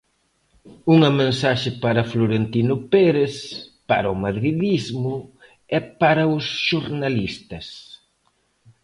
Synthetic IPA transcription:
uŋɐmẽnsaʃɪpaɾɐfloɾent̪inʊpɛɾespa̰ɾɐʊmaðɾiðizmʊ | ɛpaɾɐʊsʃuɾnalist̪ɐs

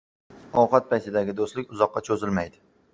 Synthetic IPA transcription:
ɒwqɑt̪̚pʰajt̪ɪd̪aɡʲɪd̪oslɪkʲʊzɒqːɑt͡ʃʰɵzɪlmajd̪ɪ

